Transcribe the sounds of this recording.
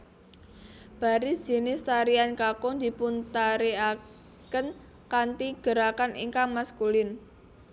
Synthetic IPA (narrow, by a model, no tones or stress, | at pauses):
b̥a̤ɾid̥ʒ̥e̤nɪst̪aɾiankakɔnd̪̥i̤punt̪aɾea | kən | kant̪iɡ̥ə̤ɾakanʔḭŋkaŋmaskulɪn